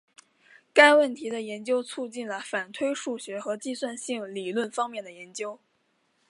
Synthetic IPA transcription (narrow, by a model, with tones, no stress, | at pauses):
ka˥ɪwə˥˩nt̪ʰi˧˥d̪ə˧jɛ˧˥nt͡ɕjo˥ʊt͡sʰu˥˧t͡ɕi˥˩nlə˩fa˨˩nt̪ʰwe˥ɪʂu˥˩ɕɥɛ˧˥xɤ˧˥t͡ɕi˥˧swa˥˧nɕi˥˩ŋli˨˩lwə˥˩nfɑ˥ŋmjɛ˥˩nd̪ə˩jɛ˧˥nt͡ɕjo˥ʊ